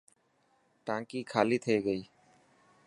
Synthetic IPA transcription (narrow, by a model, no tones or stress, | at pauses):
ʈãːŋkiːkʰaːliːt̪ʰəeːɡəiː